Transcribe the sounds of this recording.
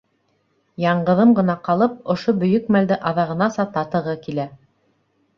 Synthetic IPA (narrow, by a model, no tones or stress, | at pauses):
jɑɴɢɤ̆ðɤmɢɤ̆nɑqɑlˠɤp̚ŏʃobɵ̆jɵkmæld̪ɘʔɑðɑʁɤ̆nɑsɑt̪ɑt̪ɤ̆ʁɤkilæ